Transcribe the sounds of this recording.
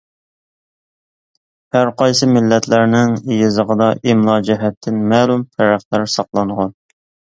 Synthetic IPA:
hæɾqʰɑjsɨmɪlːɛt̪ʰlæɾnɪŋejɪzəʁəd̪ɑʔimlˠɑd͡ʒɪɦɛt̪ʰːɪnmɛːlˠumt̪ʰæɾæχd̪æɾsɑqlˠɑnʁɑn

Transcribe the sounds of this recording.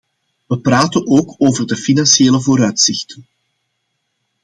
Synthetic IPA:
ʋəpraːtənoːkoːvərdəfinɑnʃeːləvoːɾœɥtsɪxtən

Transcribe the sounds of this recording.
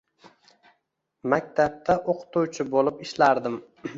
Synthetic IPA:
mak̚ʲt̪ʰap̚t̪ʰaʔoqʰt̪uwt͡ʃʰɪbolɪpɪʃlaɾd̪ɪm

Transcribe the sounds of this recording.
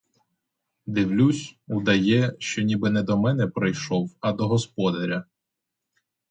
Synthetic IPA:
d̪ɪwlʲusʲud̪ɐjɛʃt͡ʃɔnʲibɪnɛd̪ɔmɛnɛpɾɪjʃɔwɐd̪ɔɦɔspɔd̪ɐɾʲɐ

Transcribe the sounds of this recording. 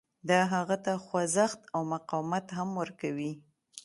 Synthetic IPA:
d̪ɑɦaɣat̪axwazaxt̪awmaqɑwmat̪ɦamwəɾkawi

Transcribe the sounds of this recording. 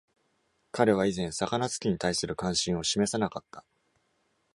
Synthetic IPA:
kaɾe̞β̞aizẽ̞ɰ̃sakanat͡sɨ̥kʲiɲ̟it̪aisɨɾɯ̟kãɰ̃ɕĩɰ̃o̞ɕime̞sanakat̪ːḁ

